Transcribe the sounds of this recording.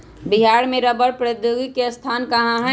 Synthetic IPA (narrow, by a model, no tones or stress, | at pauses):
biɦaːɾmẽɾəbəɾpɾed̪joɡikest̪ʰaːnkəɦãɦɛ̃